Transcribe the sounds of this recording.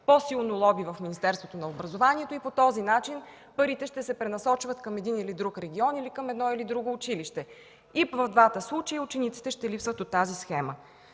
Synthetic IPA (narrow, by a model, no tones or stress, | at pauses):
posilˠnolˠɔbivɐfminist̪ɛɾst̪vot̪onɐobɾɐzovaniɛt̪oipot̪ɔzinat͡ʃin | pəɾit̪ɛʃt̪ɛsɛpɾɛnɐsɔt͡ʃvət̪kɐmɛd̪inilid̪ɾukɾɛɡʲiɔnilikəmɛd̪nɔilid̪ɾuɡoːt͡ʃiliʃt̪ɛ | ivəvd̪vat̪əslˠut͡ʃəjut͡ʃɛnit̪si̥t̪ɛʃt̪ɛlipsvət̪ot̪ːazisxɛmə